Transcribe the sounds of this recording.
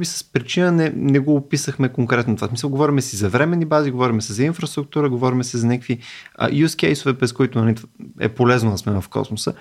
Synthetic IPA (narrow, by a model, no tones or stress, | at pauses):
bisə̥spɾit͡ʃinənɛnɛɡoːpisəxmɛkoŋkɾɛt̪not̪ovasmisəlˠɡovɔɾimɛsɛzɐvɾɛmɛnːibaziɡovɔɾimɛsɛzɐinfɾɐst̪ɾuk̚t̪uɾəɡovɔɾimɛsɛzɐnɛkkviə̰juskʲɛjsʊvɛpɾɛskoit̪ʊnɐlʲit̪ɛ̰polɛznod̪ɐsmɛnəfkɔ̰smosə̰